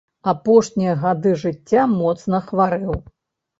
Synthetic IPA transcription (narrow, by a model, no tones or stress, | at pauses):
apɔʂnʲijɐɣad̪ɨʐɨtʲːamɔt̪snɐxvaɾɨw